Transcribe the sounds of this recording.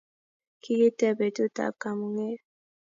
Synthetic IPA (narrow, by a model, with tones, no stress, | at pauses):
kʰi˦je˦tɛ˦be˨tu˦ta̰˨p̚ka˨mu˨ŋe˦